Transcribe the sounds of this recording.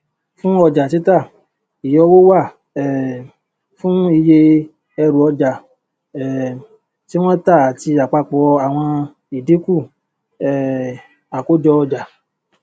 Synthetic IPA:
fũ˦ɔ˧˨d͡ʒa˨ti˨˦ta˦˨ | i˨jɔ˧˦wo˦wa˦˨ | ɛ˨ | fũ˦i˧je˧ | ɛ˧ɾu˨ɔ˧d͡ʒa˨ | ɛ˨ | ti˦w̃ɔ̃˦ta˦˨a˨ti˧a˨k͡pa˧k͡pɔ˨˧a˨w̃ɔ̃˧ | i˨di˨˦ku˦˨ | ɛ˨ | a˨ko˨˦d͡ʒɔ˧ɔ˧d͡ʒa˨

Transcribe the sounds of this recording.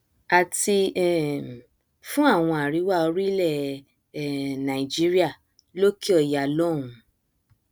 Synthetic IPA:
a˨ti˧ɛ˦˨m˨ | fũ˦a˦˨w̃ɔ̃˧a˨ɾi˨˧˦wa˦˨o˧˦ɾi˦lɛ˦˨˦ | nã˨i˨d͡ʒi˦ɾi˦a˦˨ | lo˦ki˦ɔ˦˨ja˨lɔ˦˨ũ˨˧˦

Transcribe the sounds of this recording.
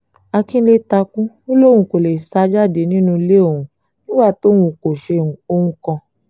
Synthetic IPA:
a˧kĩ˦le˦ta˧kũ˦no˦lo˦˨wũ˧˨ko˨le˨sa˧˦d͡ʒa˦˨de˨˦nĩ˦nũ˧le˦o˦˨wũ˨ | nĩ˦wa˦˨to˦wũ˧˨ko˨ʃẽ˧˨o˧hũ˧kɔ̃˧

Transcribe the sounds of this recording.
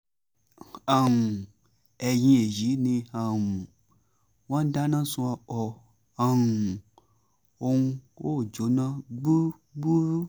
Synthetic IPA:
a˨ | ɛ˨jĩ˧˦e˨ji˨˦nĩ˧ã˨ | wã˦n̩˦da˦nã˦sũ˧a˧ɔ˨ | ã˨ŋ˨ | o˧ŋũ˧o˦˨d͡ʒo˨˦nã˦ɡ͡bu˦ | ɡ͡bu˦

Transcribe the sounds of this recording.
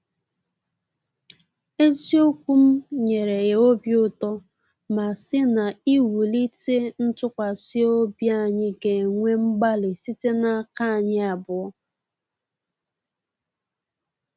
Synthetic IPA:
e˦zi˦o˦kʷu˦m̩˦ɲe˨ɾe˨je˨o˦bjʊ˦tɔ˦ | ma˨sɪ˦na˨i˦wu˨li˦te˦n̩˦tʊ˦kʷa˨sɪ˦o˦bja˦˨ɲɪ˦ɡe˨ŋʷe˦m̩˦ɡ͡ba˦lɪ˨si˦te˦na˦˨ka˦˨ɲɪ˦a˨bʊ˨˦

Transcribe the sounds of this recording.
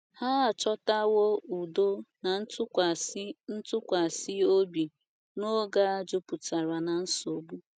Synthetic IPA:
ha˦a˨t͡ʃɔ˦ta˦wo˦u˨do˦na˨n̩˦tʊ˦kʷa˨˦n̩˦tʊ˦kʷa˨si˦o˦bi˨ | no˦ɡa˦a˦d͡ʒo˦pʊ˨ta˨ɾa˨na˨n̩˦so˨bu˦

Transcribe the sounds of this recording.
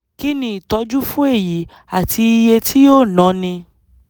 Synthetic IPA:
ki˦nĩ˦i˨tɔ˨˧˦d͡ʒu˦fũ˦e˦˨ji˨˦ | a˨ti˧i˧je˧tʰi˦o˦˨nã˨˦nĩ˧

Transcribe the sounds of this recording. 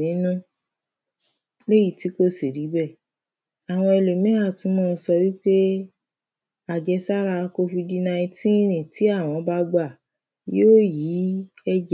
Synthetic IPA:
ĩ˨˦nũ˦ | le˦ji˦˨ti˨˦ko˦˨si˨ɾi˨˦bɛ˦˨ | a˨w̃ɔ̃˧ɛ˧lo˨mɛ̃˦a˦˨ti˨˦mɔ̃ː˦˧sɔ˧wi˦k͡pe˦ | a˦˨d͡ʒɛ˧sa˦ɾa˧ko˧fi˧di˧nã˧ĩ˧tĩ˦nĩ˨ti˨˦a˦˨w̃ɔ̃˧ba˧ɡ͡ba˦˨ | jo˦˨ji˨˦ɛ˦d͡ʒ

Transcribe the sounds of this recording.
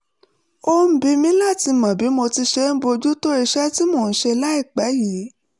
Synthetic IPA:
o˧m̩˦bi˧mĩ˦la˦˨ti˧mã˨bi˨˦mõ˧ti˧ʃe˧˦n̩˦bo˧d͡ʒu˦to˦ɾi˧ʃɛ˦ti˦mo˦˨ñ̩˨˦ʃe˧la˦i˦˨k͡pɛ˨˦ji˨˦

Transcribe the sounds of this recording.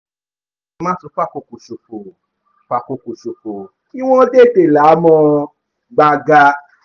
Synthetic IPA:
o˧mãː˨˦si˧˦fu˦a˦˨ko˧˨ku˨ʃo˨fo˨ | fa˨ko˧ku˨ʃo˨fo˨ki˦w̃ɔ̃˦de˦˨te˨la˨˦mɔ̃˧ | ɡ͡ba˧ɡa˧

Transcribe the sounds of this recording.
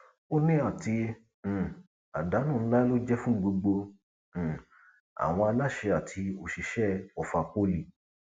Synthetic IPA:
o˦nĩ˦a˦˨tĩ˧˨ | a̰˨da˨˦nũ˦˨n̩˦la˦lo˦d͡ʒɛ˦fũ˦ɡ͡bo˧ɡ͡bõ˧˨ | a̰˨w̃ɔ̃˧a˧la˦˨ʃe˧a˦˨tʰi˧o˨ʃi˨˧ʃɛ˦ɔ˨fa˧k͡po˦li˦˨

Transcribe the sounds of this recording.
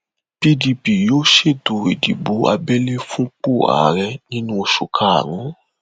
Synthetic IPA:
bi˦di˧bi˨joː˦ʃe˦˨do˨e˨di˨bo˨˦a̰˧bɛ˦le˦fũ˦k͡po˦˨a̰˨ɾɛ˧nĩ˦nũ˦o˧ʃu˨kʰa˨a̰˨w̃ɔ̃˨˦

